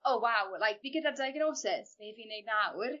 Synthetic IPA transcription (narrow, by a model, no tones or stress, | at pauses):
owawlˠajk̚biɡədəv̚dajɡnowsɪsbeviːnejd̚nawr